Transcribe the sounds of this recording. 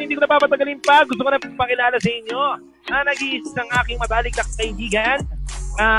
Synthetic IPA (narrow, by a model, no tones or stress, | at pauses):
hɪnd̪iːkonɐpaːpɐt̪ɐɡɐlɪnpɐɡʊs̬t̪okonɐpmɐkɪlaːlɐsɐʔɪɲːo̞ | ɐnɐɡiʔɪssɐŋʔaːkɪŋmɐt̪aːlɪk̚nɐkɐkɐʔɪbiːɡɐna